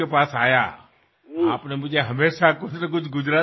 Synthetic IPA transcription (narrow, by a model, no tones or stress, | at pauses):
epaːsaːja̰ | aːpnemʊd͡ʒʱeɦɐmeːʃakʊt͡ʃʰnɐk̬ʊt͡ʃʰɡʊd͡ʒɾaː